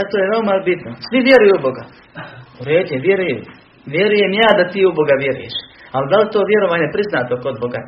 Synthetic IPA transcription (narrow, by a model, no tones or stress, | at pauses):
at̪ojeʋeomabit̪nosʋiʋje̞ɾujuubo̞ɡa | uɾeːd̪ʊjeʋje̞ɾuju | ʋje̞ɾuje̞mjaːd̪at̪iːuboɡaʋje̞ɾṵjḛʃald̪alit̪o̞ːʋje̞ɾo̞ʋaːɲe̞pɾiznaːt̪o̞kod̪̚boɡa